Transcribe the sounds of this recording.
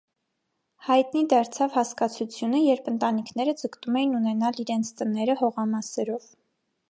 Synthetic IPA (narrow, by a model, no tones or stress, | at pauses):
hɑjt̪nid̪ɑɾt͡sʰɑvhɑskɑt͡sʰut͡sʰjunəjɛɾpʰənt̪ɑnikʰnɛɾəd͡zəkt̪umɛjinunɛnɑliɾɛnt͡sʰt̪ənɛɾəhɔʁɑmɑsɛɾɔv